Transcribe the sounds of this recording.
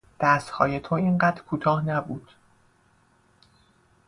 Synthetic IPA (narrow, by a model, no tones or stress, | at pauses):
d̪̥æst̪hɒ̰ːje̞t̪ʰoinɢæːd̪ɾkʰuːt̪ʰɒːhnæbuːd̪̥